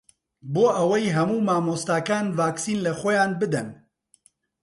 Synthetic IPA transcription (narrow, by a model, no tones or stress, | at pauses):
boːʔɐwɛjɦɐmuːmaːmoːst̪aːkaːnvaːksiːnlɛxʷɛjaːnbɨd̪ɛn